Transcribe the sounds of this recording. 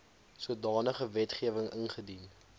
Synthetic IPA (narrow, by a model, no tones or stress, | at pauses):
suədɑːnəχəvɛtχiəvəŋənχədin